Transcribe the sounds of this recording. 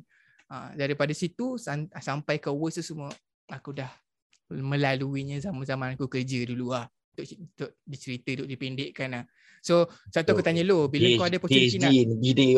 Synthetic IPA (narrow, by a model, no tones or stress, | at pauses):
a̰daɾipadasit̪usasampajkawəst̪usumuə | akudah | mə̃laluiɲəzamanzamanakukərd͡ʒəduluahut̪ʊʔt̪oʔdit͡ʃəɾit̪əid̪ʊʔdipendeʔkanah | sosat̪uakut̪aɲəlobilakaadapɔsisinainbide